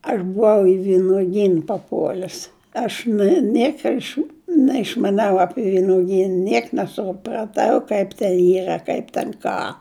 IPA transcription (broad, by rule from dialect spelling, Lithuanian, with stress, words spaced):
ɐʃ bʊˈʋɐʊ ɪ ʋʲɪnʊˈɡʲiːn pɐˈpuɔlʲʊs ˈɐʃ nɐ ˈnʲiɛkoː ɐʃ nʲɛɪʃmɐˈnʲɛʊ ˈɑːpʲɪ ʋʲɪnʊˈɡʲiːn ˈnʲiɛk nʲɛsʊprɐˈtɐʊ ˈkɐɪp tʲɛn ˈiːrɐ kɐɪp tʲɛn ˈkɑː